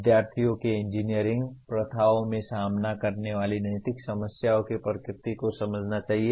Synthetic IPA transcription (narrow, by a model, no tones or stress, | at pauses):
ɪd̪jaːɾt̪ʰijõkeɪ̃ɲd͡ʒiːnijəɾɪ̃ŋɡpɾɐt̪ʰaːʋõmẽsaːmnakɐɾneʋaːlinɐjt̪ɪksɐməsjaːõkepɾəkɾɪt̪ikosɐməd͡ʒʱnat͡ʃaːɦie